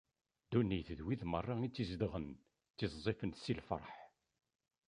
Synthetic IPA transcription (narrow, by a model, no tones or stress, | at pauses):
d̪unːiθðwiðmərˤːɑit͡sːizd̪əʁən | t͡sːizzˤifənsilfɾˤħ